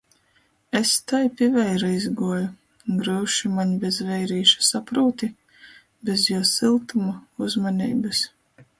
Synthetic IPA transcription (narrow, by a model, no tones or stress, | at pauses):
est̪ajpʲivɛjɾaizɡuɔju | ɡɾɨːʃimaɲbʲezvɛjɾiːʃḁsapɾuːt̪i | bʲezjuɔsilˠt̪umauzmaniːbɨs